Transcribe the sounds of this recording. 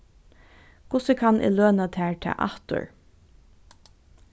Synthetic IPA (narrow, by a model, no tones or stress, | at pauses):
kʰʊsəkʰɑnʔɪ̰løːnat̪ʰæːɹt̪ʰɛ̰ːʔɑ̰ht̪ʊ̰ɹ